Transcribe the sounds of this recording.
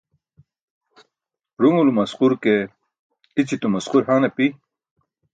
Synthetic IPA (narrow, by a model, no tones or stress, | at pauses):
ɾuŋulumɐsquɾke | it͡sit̪umɐsquɾhanɐpi